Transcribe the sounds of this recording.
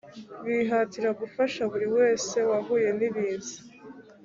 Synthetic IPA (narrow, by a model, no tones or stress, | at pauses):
βiːɦatiɾaɡufaʃaβuɾiwe̞ːse̞wavuːje̞niβiːzi